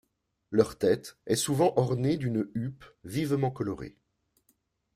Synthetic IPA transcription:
lœʁt̪ɛt̪ɛsuvɑ̃ʔɔʁned̪ynypvivmɑ̃kɔlɔʁḛ

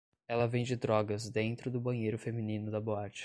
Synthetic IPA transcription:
ɛlɐvẽj̃d͡ʒɪd̪ɾɔɡɐzd̪ẽnt̪ɾʊd̪ʊbɐ̃ɲejɾʊfeminĩnʊd̪ɐboat͡ʃɐ̥

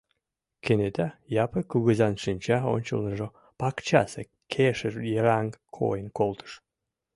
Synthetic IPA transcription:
kenet̪æjɑpəkuɣɘzɑnʃɨnʲt͡ɕɑo̰nʲt͡ɕə̰lˠnɤʒo | pɑkt͡ɕɑ̰se | kʰeʃərjəɾɑŋkʰo̰jənkolˠt̪ʰə̥ʃ

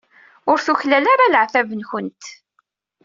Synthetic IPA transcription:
ʊɾθuçlælaɾaləʕθævənçənt̪

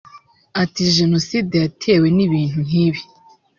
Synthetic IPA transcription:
atiʒenosidejatʰeweniβiːn̥un̥iːβi

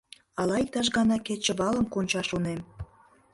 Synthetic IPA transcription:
ɑlɑik̚t̪ɑʃ̬ɣɑnɑket͡ɕə̆βɑlə̆mkonʲt͡ɕɑʃunem

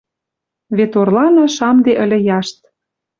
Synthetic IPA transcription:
βet̪orlɑnɑʃɑmd̪eʔə̆lʲĕjɑʃt̪̚

